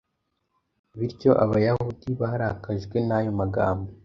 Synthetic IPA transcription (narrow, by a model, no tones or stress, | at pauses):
βiɾɟo̞ʔaβajahudiβaaɾakaʒɡwe̞najo̞maɡa̰ːmbo